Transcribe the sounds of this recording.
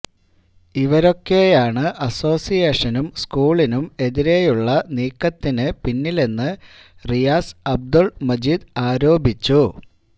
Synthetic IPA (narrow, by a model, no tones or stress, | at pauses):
iʋɐɾo̞kːe̞jaːɳɨʔɐso̞ːsijeːʂɐnumskuːɭinume̞ðiɾe̞juɭːɐniːkːɐt̪ːinɨpinːile̞nːɨ | rijaːsɐb̚d̪ulmɐd͡ʑiːd̪aːɾo̞ːbʱit͡ɕːu